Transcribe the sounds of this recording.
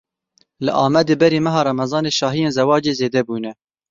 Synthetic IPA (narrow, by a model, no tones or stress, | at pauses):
lɨʔɑːmɛd̪eːbɛɾeːmɛɦɑːɾɑmɛzɑːneːʃɑːɦijeːnzɛwɑːd͡ʒeːzeːd̪ɛbuːnɛ